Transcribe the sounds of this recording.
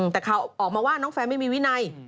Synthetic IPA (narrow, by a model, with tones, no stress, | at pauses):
t̪ɛː˨˩kʰa˦˧˩wʔɔː˨˩k̚maː˧waː˥˩nɔː˦˥ŋfɛː˧nma˥˩jmiː˧wi˦˥na˧j